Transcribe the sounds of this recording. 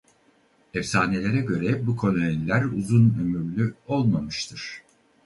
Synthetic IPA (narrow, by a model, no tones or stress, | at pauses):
ɛfsaːne̞lʲe̞ɾɛɟø̞ɾɛbukʰo̞nainlʲæɾuzunø̞myɾlʲyo̞lˠmamɯʃt̪ʰɯɾ̥